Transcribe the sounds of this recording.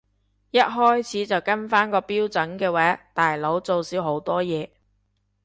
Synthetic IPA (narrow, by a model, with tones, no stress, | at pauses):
jɐ˥t̚ɦɔː˥jt͡sʰiː˨˥t͡sɐ˨wkɐ˥nfaː˥nkɔː˧piː˥wt͡sɐ˨˥nkɛː˧wɛː˨˥t̪aː˨jlo˨˥wt͡so˨wsiː˨˥wɦo˨˥wt̪ɔː˥jɛː˨˧